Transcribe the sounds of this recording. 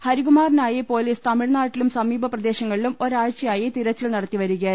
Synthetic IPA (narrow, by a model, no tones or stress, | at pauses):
hɐɾiɣumaːrinaːjipo̞ːliːst̪ɐmiɻnaːʈːilumsɐmiːbʱɐprɐd̪e̞ːɕɐŋːɐɭilumo̞ɾaːɻt͡ɕːɐjaːjit̪iɾɐt͡ɕːilnɐɽɐt̪ːiʋɐɾuɣɐ